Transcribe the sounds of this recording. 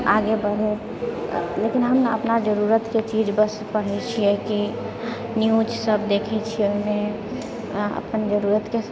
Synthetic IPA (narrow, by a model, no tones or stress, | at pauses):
aɡebəɽ̤ẽ | lekinɦəmə̰pnad͡ʒəɾuɾət̪ket͡ʃid͡ʒbəspəɽ̤ɦɛt͡ʃʰiɛki | njud͡ʒsəbd̪ekʰɛt͡ʃʰioɦimẽ | ə̰pənd͡ʒəɾuɾət̪ke